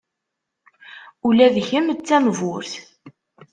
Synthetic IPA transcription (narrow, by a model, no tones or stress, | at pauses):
ulæðçəmt͡sːænvʊɾθ